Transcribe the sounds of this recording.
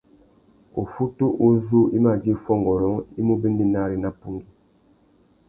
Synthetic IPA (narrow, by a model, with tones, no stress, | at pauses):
o˨fu˦tu˦ʔu˦zu˦i˦ma˨d͡ʒi˦fɔ˦ŋ˨ɡɔ˨ɾɔ˨˦i˦mu˦bi˦ndi˦na˦˨ɾi˨na˦pu˦ŋɡi˦